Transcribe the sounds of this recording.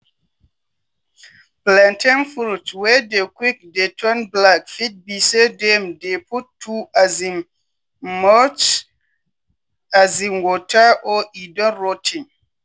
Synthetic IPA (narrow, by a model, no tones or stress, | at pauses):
plɛ̃ntɛ̃nfultwɛdekwik̚detʰɔ̃nblakfit̚bisedɛ̃mdepʰutʰːuazin | mɔt͡ʃ | azĩnwɔtʰaʔɔidɔ̃ɹotʰĩŋ